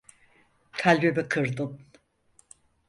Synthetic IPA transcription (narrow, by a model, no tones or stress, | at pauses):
k̪ʰalʲbebikʰɯɾd̪ɯn